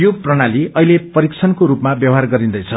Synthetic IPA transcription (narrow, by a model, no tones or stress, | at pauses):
joprʌnaliʌilepʌɾikt͡sʰʌnkoɾupmabjʌwɦarɡʌɾind̪ʌjt͡sʰʌ